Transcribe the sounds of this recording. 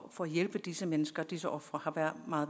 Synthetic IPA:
fɒ̽æjelb̥əd̥isəmenəsɡ̥ɐd̥isəʔɒ̽fʁɐhɑ̈ʋæɐ̰mɑ̈ːð̩ˠ

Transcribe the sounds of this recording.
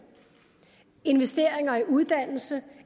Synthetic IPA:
e̝nʋesd̥e̝̰ɐ̰eŋɐiʔuð̞ˠd̥æn̰l̩sə

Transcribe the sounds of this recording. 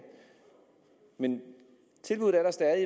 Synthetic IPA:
men | t͡sʰe̝lb̥uð̩ˠæɐɾ̥ɑ̈sd̥ɛðˠi

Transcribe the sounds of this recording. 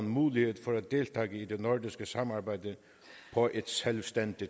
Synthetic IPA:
nmuːlɪheːt̪fɔɾæt̪̚d̪eːlt̪ʰaːɡəid̪ɛnɔɹd̪ɪskəsamaɹbæɪd̪ə | pʰɔʔɪt̪sɛlʋst̪ɛnt̪ɪ

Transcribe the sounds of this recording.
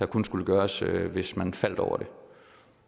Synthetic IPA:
ɑkʰonsɡ̥uləɡ̥ɶːɐsʋe̝smænfæl̰d̥ɒʊɐɾ̥e̝

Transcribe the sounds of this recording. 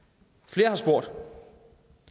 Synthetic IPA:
fle̝ːɐɦɑ̈sb̥o̝ɐ̰d̥

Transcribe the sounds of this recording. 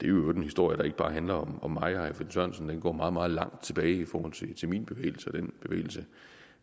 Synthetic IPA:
d̥e̝æjoɔde̝nhisd̥o̝ɐ̰jəɾ̥ɑ̈e̝ɡ̥əb̥ɑ̈ːɦænlɐɒ̽mɒ̽mːɑ̈ɪɑæfensœnsn̩d̥enɡ̥ɒ̰ːmɑ̈ːð̩ˠmɑ̈ːð̩ˠlɑ̈ŋ̰d̥̚t͡sʰe̝b̥ɛːɪifɒːhɒ̽l̰t͡sʰe̝t͡sʰe̝lminb̥e̝ʋḛːɪl̩səɒd̥enb̥e̝ʋḛːɪl̩sə

